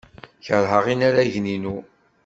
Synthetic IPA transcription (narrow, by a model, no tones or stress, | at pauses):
çəɾˤɦəʁinaɾæʝninu